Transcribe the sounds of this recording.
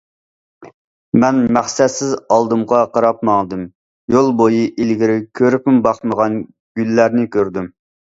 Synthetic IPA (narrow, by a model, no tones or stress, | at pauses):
mɛnmæχsɛt̪sɪzɑlˠd̪ɨmʁɑqɑɾɑpmɑŋd̪ɨm | jolˠbojiʔilɡʲiɾɪkʲʰøɾɪpɪmbɑχməʁɑn | ɡ̥ʲylːæɾnɪkʲʰøɾd̪ym